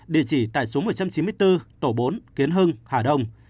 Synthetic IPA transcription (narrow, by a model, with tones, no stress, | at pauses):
ɗḭ˧˩˨ət͡ɕi˧˩t̪a̰ː˧˨jso˨˦mo˨˩t̚t͡ɕa˧mt͡ɕi˨˦nmɨ˧əjt̪ɨ˧t̪o˧˩ɓo˨˦nki˨˦ənɦɨ˧ŋhaː˧˩ɗə˧wŋ͡m